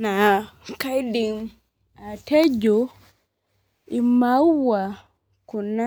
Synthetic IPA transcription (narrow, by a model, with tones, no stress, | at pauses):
na˨ka˦jdi˨ŋ | a˨te˦d͡ʒo˨ | i˨ma˦wa˨ | ku˨na˦